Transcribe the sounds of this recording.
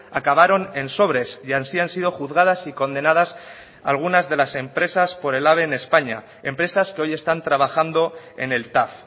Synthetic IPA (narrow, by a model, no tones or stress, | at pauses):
akaβ̞aɾo̞ne̞nso̞β̞ɾe̞sjansiansið̞o̞xuðɣað̞asiko̞nd̪e̞nað̞as | a̰lɣ̞unazðe̞lase̞mpɾe̞saspo̞ɾe̞laβ̞e̞ne̞spaɲa̰ | e̞mpɾe̞saskeo̞je̞st̪ant̪ɾaβ̞axand̪o̞ | e̞̰ne̞lt̪af